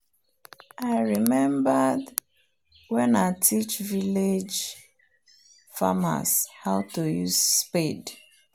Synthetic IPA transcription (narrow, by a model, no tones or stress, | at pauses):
aɪɹimɛ̃mbad | wɛ̃naɪtʰit͡ʃviled͡ʒ | fa̰ma̰shaʊtojuzsped